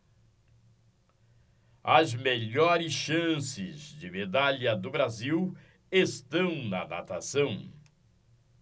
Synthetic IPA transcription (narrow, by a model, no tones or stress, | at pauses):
ɐzmeʎɔɾɪsʃɐ̃sɪzd͡ʒɪmed̪aʎɐd̪ʊbɾaziw | est̪ɐ̃w̃nɐd̪a̰t̪asɐ̃w̃